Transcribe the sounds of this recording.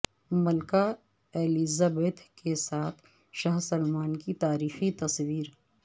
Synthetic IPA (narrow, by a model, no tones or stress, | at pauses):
mɐlka | eːliːzabeːt̪kesaːt̪ʰ | ʃaːɦsɐlmaːnkit̪aːɾiːxit̪ɐswiːɾ